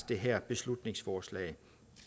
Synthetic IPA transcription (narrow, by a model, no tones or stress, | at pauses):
d̥eɦæɐ̰b̥e̝slud̥ne̝ŋsfɒːslɛ̰ɪ